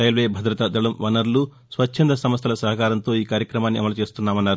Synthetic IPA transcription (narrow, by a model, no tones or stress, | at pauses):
ɐjlʋeːbʱɐd̪ɾɐt̪ɐd̪ɐɭɐmʋɐnɐɾlu | sʋɐt͡ʃʰːɐnd̪ɐsɐmɐst̪ʰɐlɐsɐɦɐkaːɾɐnt̪o̞ːiːkaːɾjɐkɾɐmaːnːiʔɐ̰mɐlut͡ʃe̞ːst̪unːaːmɐnːaːɾu